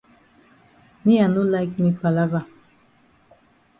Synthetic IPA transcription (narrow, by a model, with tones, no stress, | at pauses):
mi˦a˨nu˦laɪkmi˨pa˨la˦va˨